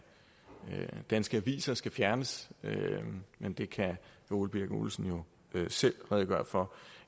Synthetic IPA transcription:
d̥ænsɡ̥əæʋḭːsɐsɡ̥æfjæɐnəsømend̥e̝kʰæ | o̝̰ːlb̥iɐɡ̥ṵlsn̩jo̝ | øsel̰ʁɛð̩ˠɡ̥ɶːɐfɒ̽

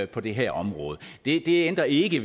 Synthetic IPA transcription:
pʰɒ̽d̥e̝ɦæɐ̰ɒ̽mʁɔ̽ːð̞ˠəd̥e̝d̥e̝end̥ʁɐe̝ɡ̥ə

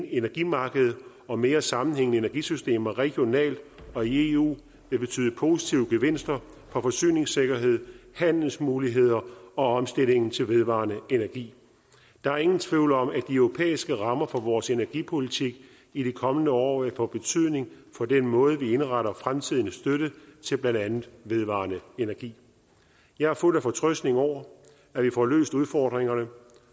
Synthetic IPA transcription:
nenæɐɡ̥imɑ̈ːɡ̥əð̞̩ˠ | ɒ̽me̝ːɐsɑ̈mn̩heŋnəe̝næɐɡ̥isysd̥e̝̰ːmɐʁɛɡ̥jo̝nɛ̰ːld̥ɒ̽ie̝ṵː | ʋe̝b̥e̝t͡sʰy̰ːð̩ˠəpʰo̝sit͡sʰiʊəɡ̥e̝ʋe̝n̰sd̥ɐ | fɒ̽fɒ̽sy̰ːne̝ŋse̝ɡ̥ɐɦe̝ð̞̰ˠhæn̰l̩smuːliɦe̝ð̞̰ˠɐɒ̽ɒ̽msd̥e̝l̰e̝ŋn̩t͡sʰe̝lʋe̝ð̞ˠʋɑ̰̈ːnəe̝næɐɡ̥ḭː | d̥ɑ̈æɐe̝ŋn̩t͡sʰʋiʊləɒ̽mæd̥iœʊʁo̝pʰḛːisɡ̥əʁɑ̈mɐfɒ̽ʋɒːse̝næɐɡ̥ipʰo̝lit͡sʰiɡ̥ | id̥ikʰɒ̽mənəɒ̰ːæpʰɒ̽b̥e̝t͡sʰyð̞̰ˠne̝ŋfɒ̽d̥enmɔ̽ːð̞ˠəʋie̝nʁɑɾɐfʁamt͡sʰið̞̰ˠnəsd̥øɾət͡sʰe̝lb̥lænd̥ænð̩ˠʋe̝ð̞ˠʋɑ̰̈ːnəe̝næɐɡ̥ḭː | jɑ̈ɪhɑ̈ful̰æfɒ̽t͡sʰʁœsd̥ne̝ŋɒʊ̰ɐ | æʋifɒlø̰ːsd̥uð̞ˠfɒːd̥ʁeŋɐnə

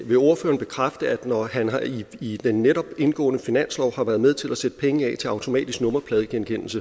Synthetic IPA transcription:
ʋe̝o̝ɐfø̰ːɐnb̥e̝kʰʁafd̥əæd̥nɒɦænɦɑ̈iid̥enːeɾ̥ɒ̽b̥e̝nɡ̥ɔ̰ːnəfinæn̰slɒʊhɑ̈ʋæːɐð̞ˠmeð̞ˠt͡sʰe̝læsed̥əpʰeŋəɛ̰ːt͡sʰe̝ɑ̈ʊt͡sʰo̝mɛ̰ːd̥isɡ̥nɔ̽mɐpʰlɛːðˠkʰenkʰen̰l̩sə

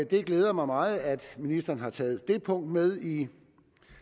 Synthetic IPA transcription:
d̥e̝ɡ̥leːð̞ˠɐmɑ̈ɪmɑ̈ːð̩ˠæd̥minisd̥ɐːnɦɑ̈t͡sʰɛːð̩ˠd̥e̝pʰɔ̽ŋ̰d̥með̞ˠi

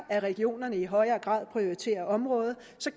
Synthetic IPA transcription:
æʁɛɡ̥io̝̰ːnɐnəiɦɒ̽ɪɐːɡ̥ʁɑ̰̈ð̰ˠpʰʁio̝ʁit͡sʰe̝̰ːɐð̩ˠɒ̽mʁɔ̽ːð̞ˠ | sɒ̽

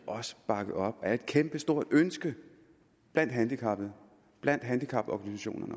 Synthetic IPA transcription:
ʔɒ̽sə̥b̥ɑ̈ɡ̥əð̩ˠɒ̽b̥æɐe̝d̥̚kʰemb̥əsd̥o̝ɐ̰d̥ønsɡ̥ə | b̥læn̰d̥ɦænd̥ikʰɑ̈b̥ð̩ˠ | b̥læn̰d̥ɦænd̥ikʰɑ̈b̥ɒɡ̥ænisæɕo̝̰ːnɐnə

